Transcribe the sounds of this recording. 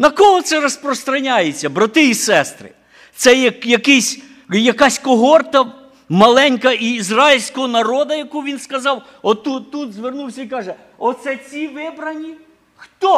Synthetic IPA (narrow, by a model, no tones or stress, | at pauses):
nɐkɔɦɔt̪sɛɾɔspɾɔst̪ɾɐnʲajet͡sʲːɐbɾɐt̪ɪisɛst̪ɾɪ̰ | t̪sɛjkjɐkɪsʲ | jɐkɑsʲkɔɦɔrt̪ɐ | mɐlˠɛnʲkɐiːzrɑjilʲsʲkɔɦɔnɐɾɔd̪ɐjɐkuʋʲinskɐzɑw | ɔt̪uut̪zʋernuwsʲɐikɑʒɛ | ɔt̪sɛt͡sʲiʋɪbɾɐnʲi | xt̪ɔ